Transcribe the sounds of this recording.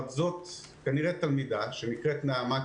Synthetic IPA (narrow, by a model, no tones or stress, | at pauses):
t̪zot̪ | kaniʁet̪almid̪aʃenikʁet̪naama